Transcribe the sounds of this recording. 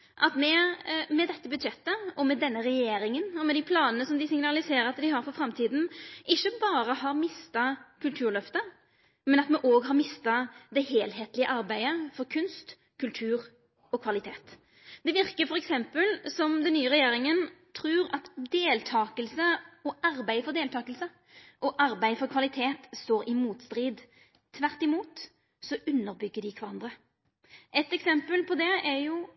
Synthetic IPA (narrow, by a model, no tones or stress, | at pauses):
ʔɑt̪mɛmɛd̪ɛt̪ːəbʉd̪ɕɛt̪ːəɔmɛd̪ɛnːəɾɛjeːɾɪŋənɔmɛd̪ɪpʰlɑːnənəsɔmd̪ɪsɪŋnɑlɪseːɾəɑt̪d̪ɪɦɑɾfɔɾfɾɑmt̪ʰiːd̪n̩ʔɪçːəbɑːɾəhɑɾmɪst̪ɑkʰʉlt̪ʰʉːɾɭœft̪ə | mɛnɑt̪mɛʔoːɡɦɑɾmɪst̪ɑd̪ɛɦeːlɦeːt̪lɪəʔɑɾbæɪəfɔɾkʰʉnst̪ | kʰʉlt̪ʰʉːɾ | ɔkʰʋɑlɪt̪ʰeːt̪ | d̪̥ɛʋɪɾkəfɔɾɛksɛmpəlsɔmd̪ɛnːyːəʁɛjeːɾɪŋənt̪ʰɾʉːɾɑt̪d̪eːlt̪ʰɑːkəlsəɔʔɑɾbæɪfɔɾd̪eːlt̪ʰɑːkəlsə | ʔɔʔɑɾbæɪfɔɾʁkʰʋɑlɪt̪ʰeːt̪st̪oːɾɪmuːt̪st̪ɾiːd̪ | t̪ʰːʋæʁt̪ɪmuːt̪ | sɔʔʉnːəɾbʏɡːəɖɪkʰʋæɾʁɑnd̪ʁə | ʔɛt̪ɛksɛmpəlpʰɔd̪ɛæɾjʊ